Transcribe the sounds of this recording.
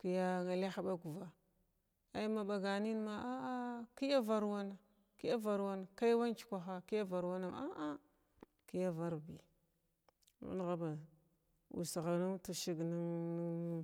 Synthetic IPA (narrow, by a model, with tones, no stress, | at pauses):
ki˦ja˦ŋa˨le˦xa˦ɓa˦ɡu˨va˦ | a˦i˦ma˨ba˨ɡa˨ni˦n˦ma˨ʔa˦a˦ki˦ja˦va˨ɾwa˦na˨ | ki˦ja˦va˨ɾwa˦na˨ka˦jwa˦n˦t͡ʃi̥˨˦kʷa˨xa˦ki˦ja˦va˨ɾwa˦na˨a˦ʔa˦ | ki˦ja˦va˦ɾbi˨ | mṵ˦n˦˨ɣa˦ba˨ | ṵ˨sɣa˨nu˦mtu˨ʃi˦ɡni˦ŋ˦